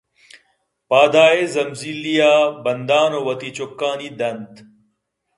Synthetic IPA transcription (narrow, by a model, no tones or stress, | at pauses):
paːd̪aːezɐmziːlijaːbɐnd̪aːnoːwɐt̪it͡ɕokːaːniːd̪ɐnd̪